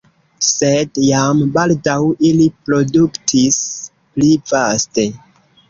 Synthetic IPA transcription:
se̞djambaldawilipɾo̞duktʰis | plivaste̞

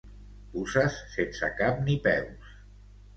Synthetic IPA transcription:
pusasːensə̰kam̚nipɛws

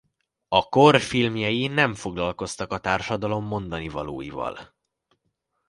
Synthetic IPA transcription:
ɒkorfilmjɒjinɛɱfo̞ɡlɒlko̞st̪ɒkɒt̪aːrʃɒd̪ɒlo̞mːo̞nd̪ɒnivɒlo̰ːjḭvɒ̰l

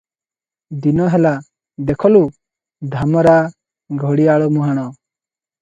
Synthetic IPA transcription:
d̪inɔɦɛla | d̪ɛkʰɔlu | d̪ʱamɔɾaʔ | ɡʱɔɽiaɭɔmuɦaɽ̃ɔ

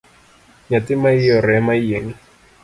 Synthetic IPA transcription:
ɲatimaijɔɾɛmaijeni

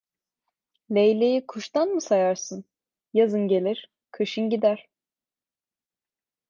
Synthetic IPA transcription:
lʲejlʲejikʰuʃt̪anmɯsajaɾsɯn | jazɯnɟe̞lʲiɾ̥ | kʰɯʃɯnɟid̪æɾ̥

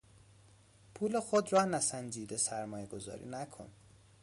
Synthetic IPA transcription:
pʰuːle̞xod̪rɒnæsænd͡ʒiːd̪e̞sæɾmɒːjeɡo̞zɒ̰ːɾḭːnækʰo̰n

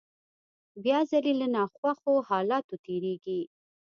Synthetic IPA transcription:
bjɑzalelanɑxwaxohɑlɑt̪ot̪eɾeɡi

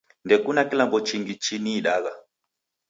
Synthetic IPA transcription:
ndɛkunakilambɔt͡ʃiŋɡit͡ʃiniːɗaɣa

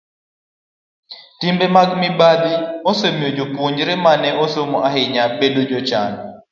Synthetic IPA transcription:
timbemaɡmɪbad̪iosemiod͡ʒopuɲd͡ʒɾɛmanɛʔosomoʔaɦɪɲabedod͡ʒɔt͡ʃa̰n

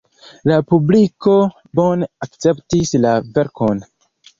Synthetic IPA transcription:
lapubliko̞ | bo̞nakt͡se̞ptislave̞ɾko̞n

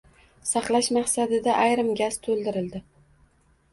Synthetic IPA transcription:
sɑqlˠaʃmɑχsad̪ɪd̪aʔajɾɪmɡʲast̪ʰolˠd̪ɪɾɪld̪ɪ

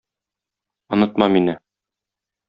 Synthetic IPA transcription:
ŏnɤ̆t̪mɑminɘ

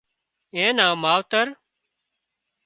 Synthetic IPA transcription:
ẽːnãːmaːʋt̪əɾ

